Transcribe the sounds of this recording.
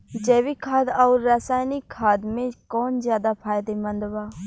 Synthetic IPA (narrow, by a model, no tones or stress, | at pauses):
d͡ʒɛːʋikʰaːd̪aːɾːəsaːjnɪkʰːaːd̪mẽkɔːnzjaːd̪apʰaːjd̪emənd̪ʋaː